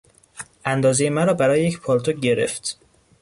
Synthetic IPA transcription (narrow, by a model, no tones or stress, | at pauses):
ʔænd̪ɒːzejemæɾɒːbæɾɒːjejecpʰɒlt̪ʰoɟe̞ɾe̞̰ft̪